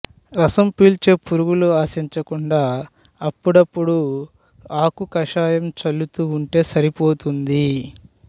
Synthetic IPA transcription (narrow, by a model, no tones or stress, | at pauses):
ɾɐsɐmpiːlt͡ʃe̞ːpuɾuɡuluaːsiɲt͡ʃɐkuɳɖaː | ɐpːuɽɐpːuɽu | aːkukɐʂaːjɐmt͡ʃɐlːut̪uːɳʈe̞ːsɐɾipoːt̪und̪i